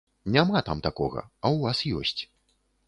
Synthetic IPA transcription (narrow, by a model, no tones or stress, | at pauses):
nʲamat̪amt̪akɔɣɐ̰ɐwvasjɔ̰sʲt͡sʲ